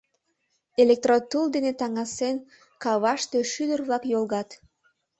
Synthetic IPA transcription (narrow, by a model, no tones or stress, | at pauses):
elek̚t̪rot̪uld̪enet̪ɑŋɑsen | kɑβɑʃt̪øʃyd̪ərβlɑkjolˠɣɑt̪